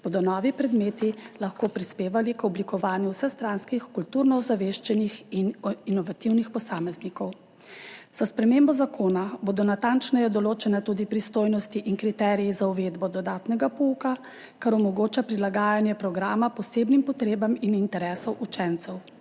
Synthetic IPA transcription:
b̥oːd̪ɔnɔːʋipɾɛd̪meːt̪ilaxkoːpɾispeːʋalikɔblikɔʋaːnjuwsɛxst̪ɾaːnskixkult̪uːɾnɔuzaʋeːʃt͡ʃɛnixininɔʋat̪iwnixpɔsaːmɛznikɔw | z̥aspɾɛmeːmbɔzakʰoːnabod̪ɔnat̪ant͡ʃnɛjɛd̪ɔloːt͡ʃɛnat̪uːd̪ipɾist̪oːjnɔst̪iʔinkɾit̪ɛːɾijizauʋeːd̪bɔd̪ɔd̪aːt̪nɛɡapɔuka | kaɾɔmɔɡoːt͡ʃapɾilaɡaːjanjɛpɾɔɡɾaːmapɔseːbnimpɔt̪ɾeːbaminint̪ɛɾɛːsɔwʔut͡ʃɛnt̪sɛw

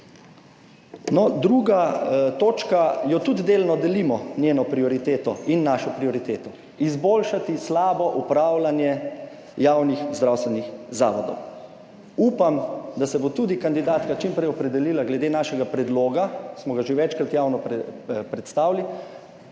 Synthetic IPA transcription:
nɔd̪ɾuɡat̪oːt͡ʃkajɔt̪ud̪d̪eːlnɔd̪ɛlimɔnjeːnɔpɾiɔɾit̪eːt̪ɔinːaːʃɔpɾiɔɾit̪eːt̪ɔ | izboːlʃat̪islaːbɔʔupɾaːwlanjɛ | jaːwnixzd̪ɾawst̪ʋɛnixza̰ːʋɔd̪ɔ̰w | uːpamd̪asɛbot̪ud̪ikand̪id̪aːt̪kat͡ʃimpɾɛjɔpɾɛd̪ɛliːlaɡlɛd̪eːnaːʃɛɡapɾɛd̪loːɡasmɔɡaʒeʋɛt͡ʃkɾat̪jaːwnɔppɾɛt̪st̪aːwli

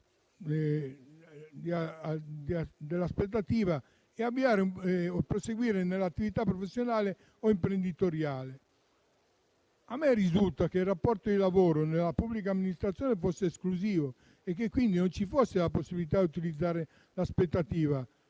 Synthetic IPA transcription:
d̪ad̪d̪elːaspet̪̬ːat̪iːva | ɛavːiaːɾeuopɾoseɡwiːɾenelːat̪ːivit̪apːɾofesːjonaːle | oimpɾend̪it̪oɾjaːle | amːɛrizult̪akeirːapːɔrt̪od̪ilavoːɾonelːapubːlik̬aːmːinist̪ɾat̪sːjɔːnefosːeːskluziːvo | ekːekːwind̪inont͡ʃifosːelaposːibilit̪ad̪ut̪ilid̪zːaːɾe | laspet̪ːat̪iːva

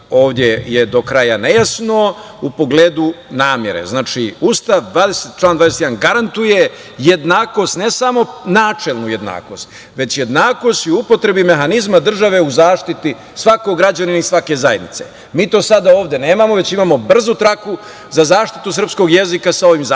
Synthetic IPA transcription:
o̞ːʋd̪je̞jed̪o̞kɾajanejasno̞ | upo̞ɡleːd̪unaːmjeɾḛznaːt͡ʃiust̪aʋd̪ʋaːd̪eset̪t͡ʃlˠaːnd̪ʋad̪esejd̪anɡaɾant̪uje̞ | je̞d̪naːko̞st̪ne̞samo̞naːt͡ʂelˠnuje̞d̪na̰ːko̞st̪ | ʋe̞t͡ɕje̞d̪naːko̞st̪ioupo̞t̪ɾe̞bime̞xanizmad̪r̩ʒaʋe̞uzaːʃt̪it̪i | sʋako̞ɡɾad͡ʑaninaisʋake̞zajed̪nit̪se̞̰ | miːt̪o̞ːsad̪aoːʋd̪e̞ne̞ːmamo̞ʋe̞t͡ɕimamo̞br̩zut̪ɾaku | zazaːʃt̪i̥t̪us̬r̩psko̞ɡje̞zikasao̞ʋimza

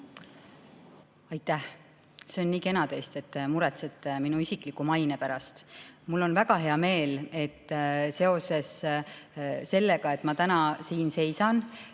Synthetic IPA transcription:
ɑjt̪ˑːæh | seonːiːke̞nɑd̪̥e̞jst̪et̪ːˑmuɾɛt̪set̪ːˑeminuisikˑlikːumɑjnepæɾɑst̪mulːo̞nvæɡ̥ɑɦe̞ɑme̞ːle̞t̪ːse̞o̞se̞s | se̞lːeɡ̥ɑe̞t̪ːˑmɑt̪ænɑsiːnse̞jsɑn

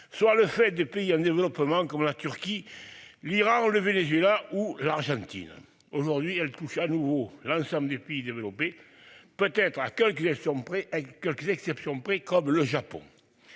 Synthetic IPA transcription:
swaləfɛt̪̚d̪əpeiɑ̃nd̪evəlɔpəmɑ̃kɔmlat̪yʁkʲiliʁɑ̃ləvenezɥelaʔulaʁʒɑ̃t̪ḭn | oʒuʁd̪ɥiɛlt̪uʃanuvolɑ̃sɑ̃mbləd̪epeid̪evəlɔpe | pøt̪ɛt̪χakɛlkəzɛsjɔ̃pχekɛlkəzɛksɛpsjɔ̃pχɛkɔmləʒapɔ̰̃

